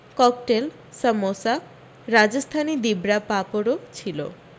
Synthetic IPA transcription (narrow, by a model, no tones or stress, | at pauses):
kɔkʈel | səmosa | ɾad͡ʑost̪ʰanid̪ibɾapapoɾot͡ɕʰilo̰